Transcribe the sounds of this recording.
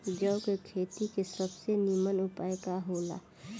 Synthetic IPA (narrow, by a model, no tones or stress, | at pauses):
d͡ʒəʊkekʰeːt̪ikesɐbsenimənʊpaːekaɦoːla̰ː